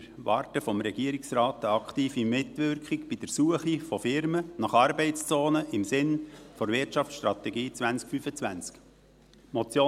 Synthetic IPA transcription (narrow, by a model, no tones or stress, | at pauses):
ɾʋɑːrtəfɔmɾɛɡiəɾiksrɑːt̪əɑkχtiːfimɪtʋʏɾkχiɡb̥id̥ɛɾsuəχifɔfɪɾmənɑχɑɾbɛɪtt͡st͡soːnəʔɪmsɪnfɔɾvɪtt͡ʃɑft͡sʃtɾɑt̪ɛɡiːt͡sʋænt͡skfyfət͡sʋænt͡sk | mɔt͡sjoː